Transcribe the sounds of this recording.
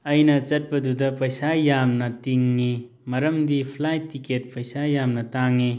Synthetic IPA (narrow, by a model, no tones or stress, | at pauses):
ɐjnɐt͡ʃɐt̚bɐdudɐpɐjsajamnɐtiŋːi | mɐɾɐmdipʰlajtːiket̚pɐjsajamnɐtaŋːi